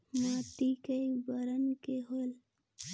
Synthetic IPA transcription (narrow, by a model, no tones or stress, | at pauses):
mãːt̪ikəibəɾənkeɦol